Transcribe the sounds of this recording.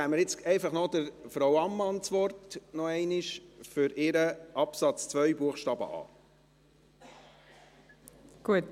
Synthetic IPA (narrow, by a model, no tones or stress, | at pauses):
æːmːəɾjɪt͡sɛɪfɑχnɔdəɾfɾawɑmːɑnt͡sʋɔrtnɔɛɪnɪʃfʏɾɪɾəʔɑpsɑt͡st͡sʋœʏbuəχʃtɑːbə̰ʔɑ̰ː | ɡ̥uət